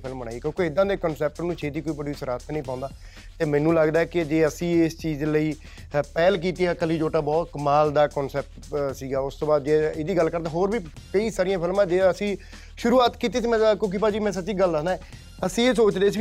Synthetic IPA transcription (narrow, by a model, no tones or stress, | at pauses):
pʰɪlmbənaːikjõːkeːɪd̪ãːd̪eːkənsɛːp̚ʈəɾnũːt͡ʃʰeːt̪iːkoːibəɽiːsəɾaːt̪ʰnəĩːpãːʊ̃nd̪aː | t̪eːmɛ̃ːnũːləɡd̪aːɛːkɪd͡ʒeːəsĩːɪst͡ʃiːzləiː | pɛːlk̬iːt̪iːaːkəliːd͡ʒoːʈaːbɔːt̪kəmaːld̪aːkɔːnsɛːp̚ʈ | siːɡaːʊst̪õːbaːd̪d͡ʒeːeːd̪iːɡəlkəɾd̪aːɦoːɾbiːkəiːsaːɾijãːpʰɪlmãd͡ʒeːəsĩː | ʃʊɾuːaːt̪kiːt̪iːsiːmɛ̃ːkokiːpaːd͡ʒiːmɛ̃ːs̬ətːt͡ʃiːɡəlːənd̪aɛː | əsĩːeːsoːt͡ʃd̪eːs̬i